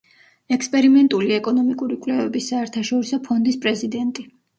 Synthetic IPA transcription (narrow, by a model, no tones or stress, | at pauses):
ɛkʰspʼɛɾimɛnt̪ʼuliɛkʼɔnɔmikʼuɾikʼlɛvɛbisaɛɾt̪ʰaʃɔɾisɔpʰɔnd̪ispʼɾɛzid̪ɛnt̪ʼi